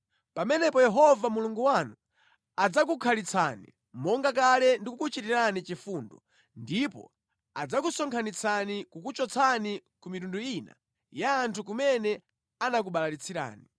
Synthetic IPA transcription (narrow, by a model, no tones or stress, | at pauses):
pamɛnɛpɔjɛɦɔvamuluŋɡuwanu | ad͡zak̬ukʰalit͡sʰa̰nḭ | mɔŋɡak̬alɛndikukut͡ʃitiɾanit͡ʃifundɔ | ndipɔ̰ | ad͡zakusɔŋkʰanit͡sʰanikukut͡ʃɔt͡sʰanikumitunduina̰ | jaːntʰuk̬umɛnɛ | anak̬uɓalaɾit͡sʰiɾa̰ːni